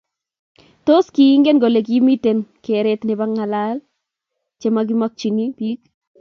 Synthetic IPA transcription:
to˦skiː˨˦ŋɡe˦nɡo˨le˨k̬i˦mi˦te˨nkeɾetnɪ˨ba˦ŋːa˨lal | t͡ʃemak̬ɪ˦ma˦k̚t͡ʃi˨ni˦pi˦k

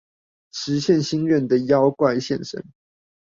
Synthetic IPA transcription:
ʂɻ̩˨˧˥ɕjɛ˥˨nɕi˥nɥɛ˥˨nd̪ə˨jɑ˦ʊkwa˥˧ɪɕjɛ˥˨˩nʂə̰˦˥n

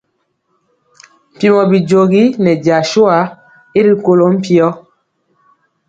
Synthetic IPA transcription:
m̩˨pi˨mɔ˨bi˨d͡ʒo˨ɣi˦nɛ˨d͡ʒa˨ʃo˦a˨˦ | e˦ɾi˦ko˦lo˦m̩˦pi˦ɔ˦

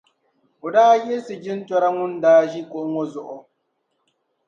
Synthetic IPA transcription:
o˨daː˦jɛ˦sɨ˨d͡ʒɪ˦n˦twɔ˦ɾa˦ŋʊ˦ndaː˦ʒi˦ko˨ʔʊ˦ŋɔ˦zʊ˦˨ʔʊ˨

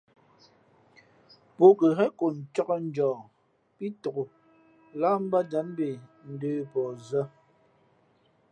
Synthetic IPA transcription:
po˦kə˨ɦɛ˦ko˨n̩˨t͡ʃɔ˦kɔ˦n̩˨˦d͡ʒɔː˨ | pi˦to˨ko˨ | la˦m̩˦ba˦d͡ʒa˨˦m˦be˨n̩˨dəː˦pɔ˨zə˦

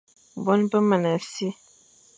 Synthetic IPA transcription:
bɔ˦npə˦mə˨nə˨si˦

